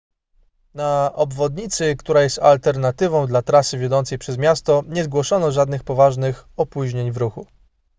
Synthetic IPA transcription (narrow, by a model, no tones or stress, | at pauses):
naɔbvɔd̪ɲit̪sɘkt̪uɾajɛst̪a̰lt̪ɛɾnat̪ɘvɔ̃w̃d̪lat̪ɾasɘvʲjɔd̪ɔnt̪sɛjpʂɛzmʲjast̪ɔɲɛzɡwɔʂɔnɔʐad̪nɘxpɔvaʐnɘxɔpuʑɲeɲvɾuxu